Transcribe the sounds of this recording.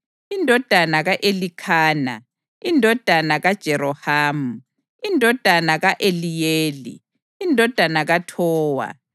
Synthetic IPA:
indʱɔd̥ʱanaɣaʔelikʰaːna̰ | indʱɔd̥ʱanaɣad̥ʒ̥ʱɛɾɔhaːmu | indʱɔd̥ʱanaɣaʔelijeːlḭ | indʱɔd̥ʱanaɣatʰɔːwa̰

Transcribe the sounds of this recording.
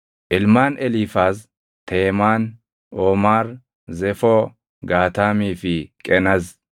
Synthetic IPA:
ʔɪlmaːnɛlifaːs | t̪ʰeːmaːn | ʔoːmaːɾ | zɛfɔ | ɡaːt̪aːmiːfɪkʼɛnɐz

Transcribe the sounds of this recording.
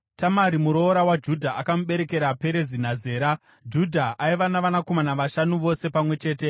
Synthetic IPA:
tamaɾimuɾo̞ːɾawad͡ʒudʱaʔakamuɓe̞ɾe̞ke̞ɾape̞ɾe̞zinaze̞ːɾa | d͡ʒudʱaaiʋanaʋanako̞manaʋaʃanuʋo̞se̞pamwe̞t͡ʃe̞ːte̞

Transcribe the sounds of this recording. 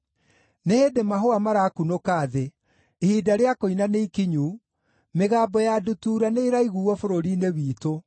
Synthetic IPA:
neheːdemaɦoamaɾaːkunokaːðe | hiːdaɾeakoinaneikiɲu | meɣaːbɔjadutuːɾaneiɾaiɣuɔfoɾoɾiːneβiːto

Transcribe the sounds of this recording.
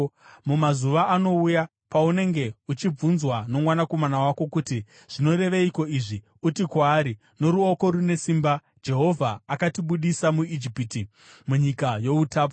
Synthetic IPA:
mumazuʋaːno̞uja | paune̞ŋɡe̞ut͡ʃib͡vunzwano̞mwanako̞manawako̞kuti | ʐ̥ino̞ɾe̞ʋeiko̞iʐi | utikwaːɾi | no̞ɾuoko̞ɾune̞simba | d͡ʒe̞ɦo̞vʱaːkatiɓuɗisamuid͡ʒipiti | muɲikajo̞utaːp̬o

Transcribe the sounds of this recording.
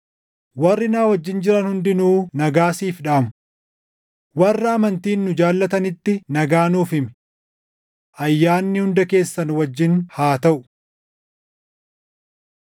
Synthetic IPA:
wɐrːɪnaːwɐd͡ʒːɪnd͡ʒɪɾɐnhʊnd̪ɪnuːnɐɡaːsiːfᶑaːmʊ | wɐrːɐːmɐnt̪iːnːʊd͡ʒaːlːɐt̪ɐnɪt̪ːɪnɐɡaːnuːfɪm | ʔɐjːaːnːɪhʊnd̪ɐke̞ːsːɐnwɐd͡ʒːɪnhaːt̪ɐʔʊ̥

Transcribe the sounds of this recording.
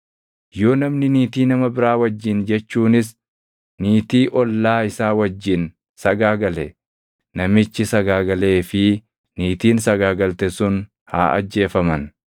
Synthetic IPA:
jo̞ːnɐmnɪniːt̪iːnɐmɐbɪɾaːwɐd͡ʒːɪnd͡ʒɛt͡ʃːuːnɪs̬ | niːt̪iːʔɔlːaːɪsaːwɐd͡ʒːɪn | sɐɡaːɡɐlɛ | nɐmɪt͡ʃːɪsɐɡaːɡɐle̞ːfɪ | niːt̪iːnsɐɡaːɡɐlt̪ɛsʊn | ha̰ːʔɐ̰d͡ʒːe̞ːfɐmɐn

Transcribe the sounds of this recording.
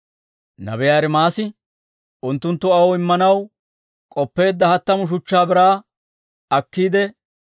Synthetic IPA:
nɐ̰bɛjaːɾɛmaːsɪ | ʔʊnt̪ːʊnt̪ːʊɐwɔɪmːɐnɐw | kʼɔpːe̞ːd̪ːɐhɐt̪ːɐmʊʃ̬ʊt͡ʃːaːbɪɾaː | ɐkːiːd̪ɛ

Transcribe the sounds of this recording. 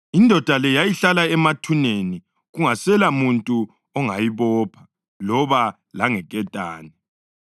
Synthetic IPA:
indʱɔd̥ʱalɛjajiɬalaɛmatʰuneni | ɣuŋasɛlamuntʼu | ɔŋajiβɔːpʰḁ | lɔβa | laŋɛkʼɛtʼaːni

